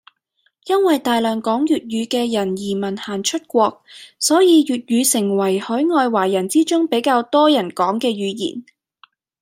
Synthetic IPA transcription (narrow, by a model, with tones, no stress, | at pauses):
jɐ˥nwɐ˨jt̪aː˨jlœː˨˩ŋkɔː˨˥ŋjyː˨t̚ɥyː˨˧kɛː˧jɐ˨˩njiː˨˩mɐ˨˩nhaː˨˩nt͡ʃʰɵ˥t̚kʷɔː˧k̚sɔː˨˥jiː˨˧jyː˨t̚jyː˨˧sɪ˨˩ŋwɐ˨˩jhɔː˨˥ŋɔː˧jwaː˨˩jɐ˨˩nt͡siː˥t͡ʃʊ˥ŋpe˨˥jkaː˧wt̪ɔː˥jɐ˨˩nkɔː˨˥ŋkɛː˧ɥyː˨˧jḭː˨˩n